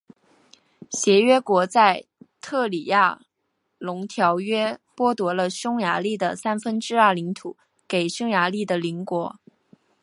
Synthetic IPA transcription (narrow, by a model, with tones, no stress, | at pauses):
ɕjɛ˧˥ɥɛ˥kwɔ˧˥t͡sa˥˧ɪt̪ʰɤ˥˩li˨˩ja˥˩ | lʊ˧˥ŋt̪ʰjɑ˧˥ʊɥɛ˥pwɔ˥t̪wɔ˧˥lə˧ɕjʊ˥ŋja˧˥li˥˩d̪ə̰˩sa˥nfə˥nʈ͡ʂɻ̩˥ɐ˞˥˩li˧˥ŋt̪ʰu˨˩˦ | ke˨˩ɪɕjʊ˥ŋja˧˥li˥˩d̪ə˩li˧˥ŋkwɔ˧˥